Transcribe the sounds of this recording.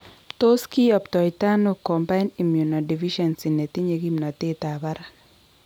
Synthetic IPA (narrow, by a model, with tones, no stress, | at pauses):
to˦ski˦ɔ˨ptɔ˨jt̪a˦no˦kɔ˨mpa˦ɪni˨mju˨nɔ˨di˨vi˦ʃɔ˨nsi˨ne˨t̪i˦ɲe˨ɡi˦mnɔ˨t̪ɪ˦t̪a˨ba˦ɾa˦